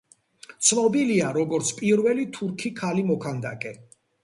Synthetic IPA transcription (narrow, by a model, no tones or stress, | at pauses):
t̪sʰnɔbiliaɾɔɡɔɾt̪sʰpʼiɾvɛlit̪ʰuɾkʰikʰalimɔkʰand̪a̰kʼɛ